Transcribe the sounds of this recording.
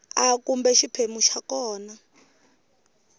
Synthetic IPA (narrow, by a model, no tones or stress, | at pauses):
akumbɛʃipʰemuʃakɔːna